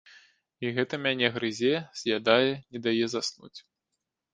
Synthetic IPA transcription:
iɣɛt̪ɐmʲanʲɛɣɾɨzʲɛz̥ʲjad̪ajɛnʲɛd̪ajɛzasnṵt͡sʲ

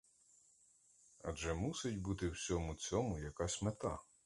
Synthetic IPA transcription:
ɐ̰ʒɛmusɪtʲbut̪ɪwsʲɔmʊt͡sʲɔmʊjɐkɑsʲmet̪ɑ̰

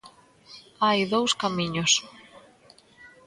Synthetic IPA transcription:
ajðowskamiɲos

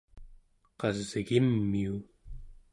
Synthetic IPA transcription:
qɑzːiɣimːiu

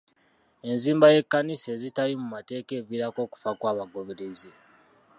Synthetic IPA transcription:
e̞nziːmbaje̞kːanise̞ːzitalimumate̞ːke̞ːviɾako̞ːku̥fakwaːβaɡo̞βeɾeze

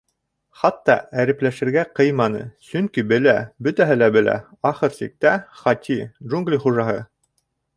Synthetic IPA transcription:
χɑt̪ːɑ̰æɾɘ̆plæʃɘ̆ɾɡæqɤjmɑnɤ̰sɵŋkibɘ̆læbɵt̪æɦɘlæbɘ̆læ̰ | ɑχɤɾsḭk̚t̪æχɑt̪ʲʰiʒuŋɡlʲiχuʒɑɦɤ

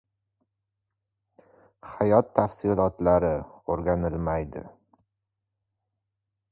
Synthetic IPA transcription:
hajɒt̪ʰːafsɪlˠɒt̪laɾɪoɾɡʲanɪlmajd̪ɪ̰

